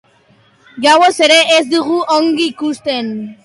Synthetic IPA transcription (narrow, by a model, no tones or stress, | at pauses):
ʝawose̞ɾe̞ʔezd̪uɣuʔoŋɡiːkust̪en